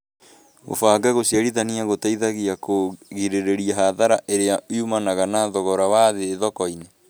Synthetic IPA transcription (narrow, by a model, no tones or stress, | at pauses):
ɣo̰faɡaɣosiaɾiðaniaɣotaiðaɣiakoɣiɾeɾeɾiaɦaðaɾaʔeɾeawjumanaɣanaðɔɣɔɾawaðeːðɔkɔine